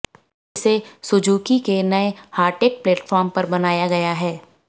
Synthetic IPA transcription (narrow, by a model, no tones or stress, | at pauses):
ɪsesʊd͡ʒuːkikenɐehaːɾʈeːk̚pleːʈfɔːɾmpɐɾbɐnaːjaɡɐjaɦɛː